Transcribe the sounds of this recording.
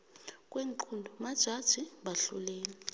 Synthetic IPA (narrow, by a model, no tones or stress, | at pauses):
kʼweŋǃʰundʱɔmad̥ʒ̥ʱad̥ʒ̥ʱiɓaɬulɛːnɛ